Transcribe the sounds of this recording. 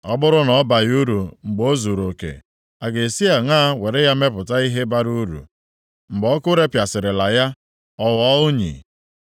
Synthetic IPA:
ɔ˦bʊ˦ɾʊ˦nɔ˦ba˨ju˦ɾu˨ŋ͡m̩˨ɡ͡bo˦zu˨ɾo˨kḛ˨ | a˨ɡe˨si˦a˨ŋa˦we˨ɾe˦ja˦me˦pʊ˨ta˦i˦ɦe˦ba˦ɾu˦ɾṵ˨ | ŋ͡m̩˨ɡ͡bɔ˦kʊ˦ɾe˦pja˨sɪ˨ɾɪ˨la˨ja˦ | ɔ˦wɔ˦ʊ˦ɲḭ˨

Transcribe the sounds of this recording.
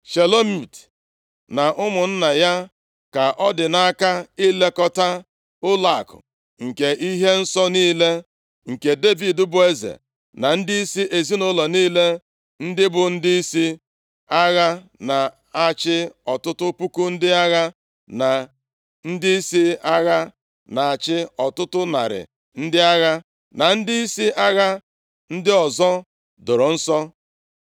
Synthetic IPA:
ʃe˨lo˦mi˨t | na˨ʔʊ˦mʊ˨n̩˦na˨ja˦ | ka˨ʔɔ˦dɪ˨na˦ka˦i˦le˦kɔ˨ta˦ | ʊ˦la˨kʊ̰˨ | ŋ̩˨ke˨ʔi˦ɦe˦n̩˦sɔ˦niː˦le˦ | ŋ̩˨ke˨de˦vi˨dʊ˦bʊ˨e˦zḛ˨ | na˨n̩˦dɪ˦i˦si˦ʔe˨zi˦nʊ˦lɔ˨niː˦le˦ | n̩˦dɪ˦bʊ˨n̩˦di˦i˦si˦ | a˦ɣa˦ | na˨ | a˨t͡ʃɪ˦ɔ˨tʊ˦tʊ˦pu˦ku˦n̩˦dɪ˦a˦ɣa˦ | na˨ | n̩˦dɪ˦i˦si˦a˦ɣa˦ | na˨a˨t͡ʃɪ˦ɔ˨tʊ˦tʊ˦na̰˨ɾɪ̰˨ | n̩˦dɪ˦a˦ɣa˦ | na˨n̩˦dɪ˦i˦si˦ʔa˦ɣa˦ | n̩˦dɪ˦ɔ˨zɔ˦ | dʊ˨ɾʊ˨n̩˦sɔ˦

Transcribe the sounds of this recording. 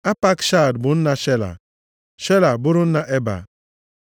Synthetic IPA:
a˦pa˦kʃa˦˨dbʊ˨n̩˦na˦ʃe˦la̰˨ | ʃe˦la˨bʊ˦ɾʊ˦n̩˦na˦ʔe˦ba̰˨

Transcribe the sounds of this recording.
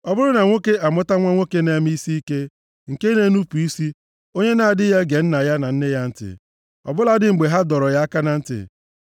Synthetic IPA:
ɔ˨bʊ˦ɾʊ˦na˨ŋʷo˦ke˦ʔa˨mʊ˦ta˦ŋʷa˦ŋʷo˦ke˦ne˨˦m˦i˦si˦i˦ke˦ | ŋ̩˨ke˦ne˦nu˦pu˨i˦si˦ | o˦ɲe˦na˨a˨dɪ˦ja˦ɡe˨n̩˦na˨ja˦na˨n̩˦ne˦ja˦n̩˦tɪ̰˨ | ɔ̰˨bʊ˦la˦dɪ˦ŋ͡m̩˨ɡ͡be˨ɦa˦dɔ˨ɾɔ˨ja˦a˦ka˦na˨n̩˦tɪ̰˨

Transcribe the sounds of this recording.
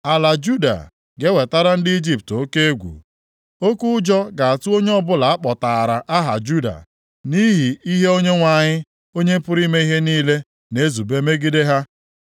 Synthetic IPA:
a˨la˨d͡ʒu˦da̰˨ | ɡe˦we˨ta˦ɾa˦n̩˦dɪ˦i˦d͡ʒi˦p̚to˦ke˦e˦ɡʷṵ˨ | o˦ku˦ʊ˦d͡ʒɔ˦ɡa˨a˨tu˦o˦ɲe˦ɔ˦bʊ˦la˨a˦k͡pɔ˨ta˨ɾa˨ʔa˦ɦa̰˨d͡ʒu˦da̰˨ | ni˦ɦi˨i˦ɦe˦o˦ɲe˦ŋʷa˨ɲɪ˦ | o˦ɲe˦m̩˦pʊ˦ɾi˦me˦i˦ɦe˦niː˦le˦ | ne˦zu˨be˦me˦ɡi˦de˦ɦa˦

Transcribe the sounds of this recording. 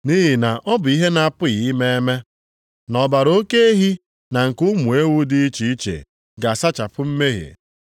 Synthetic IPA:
ni˦ɦi˨na˨ʔɔ˦bʊ˨i˦ɦe˦na˨a˨pʊ˦ɣi˨˦me˦e˦me˦ | nɔ˨ba˨ɾo˦ke˦e˦ɦi˦ | na˨ŋ̩˨kʊ˦mu˨e˦wu˦di˦i˦t͡ʃi˦i˦t͡ʃḛ˨ | ɡa˨sa˦t͡ʃa˨pʊ˦m̩˦me˦ɦḛ˨

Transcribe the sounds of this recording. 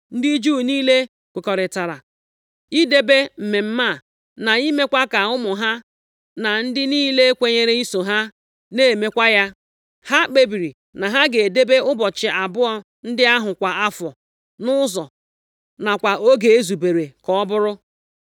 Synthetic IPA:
n̩˦di˦d͡ʒuː˦˨niː˦le˦ | kʷe˨kɔ˨ɾɪ˨ta˨ɾa̰˨ | i˦de˦be˦m̩˨me˨m̩˦ma˦˨ | na˨i˦me˦kʷa˦ka˨ʊ˦mʊ˨ɦa˦ | na˨n̩˦dɪ˦niː˦le˦e˦kʷe˨ɲe˦ɾe˦i˦so˨ɦa˦ | neː˦˨me˦kʷa˦ja˦ | ha˦k͡pe˦bi˨ɾi˨ | na˨ɦa˦ɡe˨de˦be˦ʊ˦bɔ˨t͡ʃɪ˨a˨bʊ˦ɔ˦ | n̩˦dɪ˦a˦ɦʊ˨kʷa˨a˦fɔ˨ | nʊ˦zɔ˨ | na˨kʷa˨ʔo˦ɡe˨e˦zu˨be˨ɾe˨kɔ˨˦ɔ˦bʊ˦ɾʊ˦

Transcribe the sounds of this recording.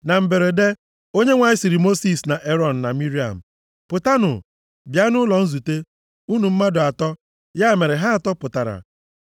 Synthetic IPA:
na˨m̩˨be˨ɾe˨de˦ | o˦ɲe˦ŋʷa˨ɪ˦si˨ɾi˨mo˦si˦˨sna˨ʔe˦ɾɔ˦˨n̩˨na˨mi˦ɾi˦a̰˨m̩˨ | pʊ˨ta˦nʊ̰˨ | bja˦nʊ˦lɔ˨n̩˦zu˨te˦ | u˦nu˨m̩˦ma˦dʊ˨a˨tɔ˦ | ja˦˨me˨ɾe˨ɦa˦a˨tɔ˦pʊ˨ta˨ɾa̰˨

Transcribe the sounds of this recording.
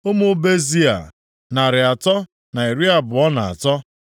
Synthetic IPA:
o˦mʊ˦be˦zi˦a̰˨ | na˨ɾɪ˨a˨tɔ˦ | na˨i˨ɾi˦a˨bʊ˨ɔ˦na˨a̰˨tɔ˦

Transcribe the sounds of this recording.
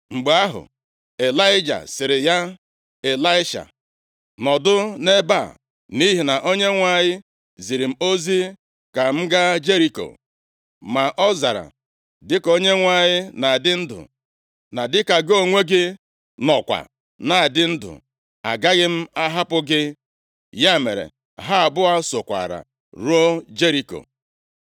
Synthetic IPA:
ŋ͡m̩˨ɡ͡ba˦ɦʊ̰˨ | e˨la˦ɪ˦d͡ʒa̰˨sɪ˨ɾɪ˨ja˦ | e˨la˦ɪ˦ʃa̰˨ | nɔ˨dʊ˦ne˦ba˦˨ | ni˦ɦi˨na˨ʔo˦ɲe˦ŋʷa˨ɲɪ˦ | zi˨ɾi˨m̩˦o˦zi˦ | ka˨m̩˦ɡa˦d͡ʒe˦ɾi˨ko̰˨ | ma˨ʔɔ˦za̰˨ɾa̰˨ | dɪ˦ko˦ɲe˦ŋʷa˨ɲɪ˦na˨a˨dɪ˦n̩˦dʊ̰˨ | na˨dɪ˦ka˨ɡo˦ŋʷe˦ɡɪ˦ | nɔ˨kʷa̰˨ | na˨a˨dɪ˦n̩˦dʊ̰˨ | a̰˨ɡa˦ɣɪ˦m̩˦a˦ɦa˦pʊ˦ɡɪ˦ | ja˦mḛ˨ɾḛ˨ | ɦa˦a˨bʊ˦a˦so˨kʷa̰˨ɾa̰˨ | ɾu˦o˦d͡ʒe˦ɾi˨ko̰˨

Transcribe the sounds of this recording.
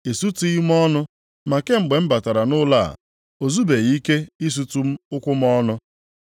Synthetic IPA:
e˨su˦ti˦i˦m˦ɔ˦nʊ˦ | ma˨ke˦ŋ͡m̩˨ɡ͡be˨m̩˦ba˨ta˨ɾa˨nʊ˦la̰˦˨ | o˨zu˦be˨ɣi˦ke˦i˦s̬u˨tu˦m̩˦ʊ˦kʷʊ˦m˦ɔ˦nʊ˦

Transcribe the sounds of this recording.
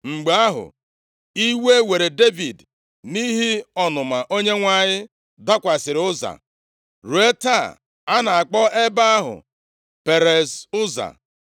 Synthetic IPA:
ŋ͡m̩˨ɡ͡be˨a˦ɦʊ̰˨ | i˦we˦we˨ɾe˨de˦vi˨d | ni˦ɦi˦ɔ˦nʊ˨ma˨ʔo˦ɲe˦ŋʷa˦˨ɲɪ˦ | da˦kʷa˨sɪ˨ɾɪʊ˦za̰˨ | ɾu˨˦e˦ta˦˨ | a˦na˨a˨k͡pɔ˦e˦ba˦a˦ɦʊ̰˨ | pe˨ɾe˨sʊ˦za̰˨

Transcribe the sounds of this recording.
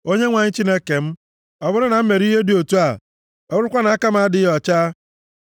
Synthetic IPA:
o˦ɲe˦ŋʷa˨ɲɪ˦t͡ʃi˦ne˦ke˨m̩˦ | ɔ˨bʊ˦ɾɪ˦na˨m̩˦me˨ɾi˦ɦe˦du˦o˨tu˦a˨ | ɔ˨˦ɾʊ˦kʷa˦na˨a˦ka˦m˦a˨˦dɪ˨˦jɔ˨t͡ʃa˦

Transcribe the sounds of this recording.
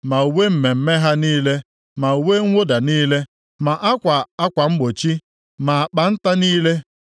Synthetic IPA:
ma˨u˨we˦m̩˨me˨m̩˨me˦ɦa˦niː˦le˦ | ma˨u˨we˦ŋʷʊ˦da˨niː˦le˦ | ma˨ʔa˦kʷa˨a˦kʷa˨ŋ͡m̩˦ɡ͡bo˨t͡ʃi˦ | ma˨a˨k͡pa˨n̩˦ta˦niː˦le˦

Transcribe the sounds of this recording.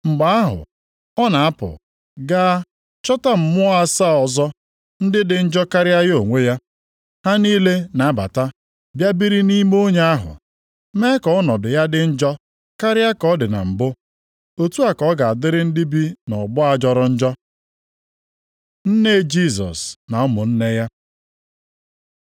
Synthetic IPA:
ŋ͡m̩˨ɡ͡ba˨a˦ɦʊ̰˨ | ɔ˦na˨a˦pʊ̰˨ | ɡa˦ | t͡ʃɔ˦ta˦m̩˨mʊ˦a˦sa˦ɔ˨zɔ˦ | n̩˦dɪ˦dɪ˨n̩˦d͡ʒɔ˦ka˦ɾɪ˦a˦ɣo˨ŋʷe˦ja˦ | ha˦niː˦le˦na˨˦ba̰˨ta˦ | bja˦bi˦ɾi˦ni˦m˦o˦ɲe˦a˦ɦʊ̰˨ | me˦kɔ˨ɔ˦nɔ˨dʊ˨ja˦dɪ˨n̩˦d͡ʒɔ˦ | ka˦ɾɪ˦a˦kɔ˦dɪ˨na̰˨m̩˨bʊ˦ | o˦tu˦a˨kɔ˦ɡa˨a˨dɪ˦ɾɪ˦n̩˦di˦bi˦nɔ˨bʊ˦a˨d͡ʒɔ˨ɾʊ˨n̩˦d͡ʒɔ˦ | n̩˦ne˦d͡ʒi˦˨s̬ɔ̰˨sna˨ɔ˦mʊ˨n̩˦ne˦ja˦

